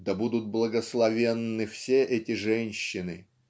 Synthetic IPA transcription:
d̪ɐbud̪ʊt̪̚blˠəɡəslˠɐvʲenːɨfsʲeʔɛtʲɪʐɛnʲɕːɪnɨ̰

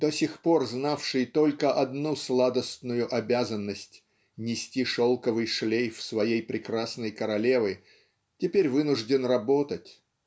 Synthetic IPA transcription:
d̪̥osʲɪxpo̞rznafʂɨjt̪o̞lʲkəʔɐd̪nuslˠad̪əst̪nʊjʊʔɐbʲazənːəsʲtʲ | nʲɪsʲtʲiʂolˠkəvɨjʂlʲejfsvɐjejpɾʲɪkɾasnəjkəɾɐlʲe̞vɨ | tʲɪpʲeɾʲvɨnʊʐdʲɪnrɐbo̞t̪ətʲ

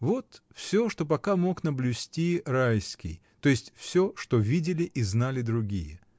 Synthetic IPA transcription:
vo̞t̪fsʲoʂt̪o̞pɐkamo̞knəblʲʉsʲtʲirajskʲɪ̰j | t̪o̞jɪsʲtʲfsʲoʂt̪o̞vʲidʲɪlʲɪʔiznalʲɪd̪ɾʊɡʲijə

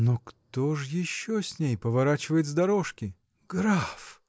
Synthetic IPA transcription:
nokt̪oʐjɪɕːosʲnʲejpəvɐɾat͡ɕɪvəjɪt̪zd̪ɐɾoʂkʲɪ | ɡ̥ɾaf

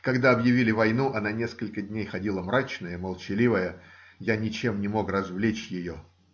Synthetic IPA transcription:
kɐɡd̪aɐbjɪvʲilʲɪvɐjn̪uʔɐnanʲe̞skəlʲkədʲnʲejxɐdʲilˠəmɾat͡ɕnəjəməlˠt͡ɕɪlʲivəjə | janʲɪt͡ɕe̞mnʲɪmo̞krɐzvlʲet͡ɕjɪjo

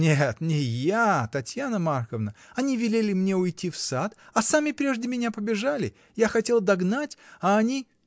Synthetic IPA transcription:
nʲet̪nʲɪjat̪ɐtʲjanəmarxəvnəɐnʲivʲɪlʲelʲɪmnʲeʊjtʲifsat̪ɐsamʲɪpɾʲe̞ʐdʲɪmʲɪnʲapəbʲɪʐalʲɪ | jaxɐtʲe̞lˠd̪ɐɡnatʲɐːnʲi

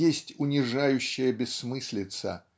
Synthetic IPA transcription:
esʲtʲʊnʲɪʐajʉɕːɪjəbʲɪsːmɨsʲlʲɪt̪sə̰

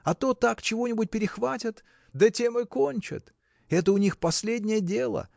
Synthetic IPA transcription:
ɐt̪o̞t̪akt͡ɕɪvo̞nʲɪbʊt̚ʲpʲɪɾʲɪxvatʲɪt̪ | d̪ətʲe̞mɨkonʲt͡ɕɪ̰t̪ | ɛt̪əʊnʲixpɐsʲlʲedʲnʲɪjədʲe̞lˠə̰

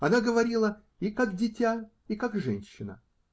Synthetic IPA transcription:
ɐnaɡəvɐɾʲilˠə | ikakdʲɪtʲa | ikakʐɛnʲɕːɪnə̰

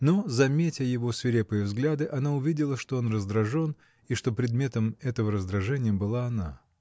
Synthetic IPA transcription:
no̞zɐmʲetʲɐjɪvo̞svʲɪɾʲepɨjəvzɡlʲad̪ɨʔɐnaʊvʲidʲɪlˠəʂt̪o̞o̞nrəzd̪ɾɐʐo̞n | iʂt̪o̞pɾʲɪd̪mʲe̞t̪əmɛt̪əvəɾəzd̪ɾɐʐɛnʲɪjəbɨlˠaːna

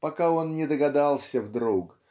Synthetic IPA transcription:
pɐkao̞nnʲɪd̪əɡɐd̪alˠsʲəvd̪ɾuk

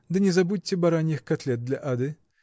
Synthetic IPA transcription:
d̪ɨnʲɛzɐbut̚ʲtːʲɛbɐɾanʲːɪxkɐt̪lʲɛt̪̚d̪lʲɐʔad̪ɨ

